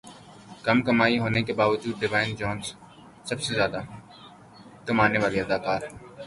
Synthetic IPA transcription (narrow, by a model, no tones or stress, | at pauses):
kɐmkɐmaːiɦoːnekebaːʋəd͡ʒuːd̪̚ɖɪʋaːɪnd͡ʒɔːnz | sɐbsezjaːd̪a | t̪ʊmaːneʋaːliɐd̪aːkaːɾɛ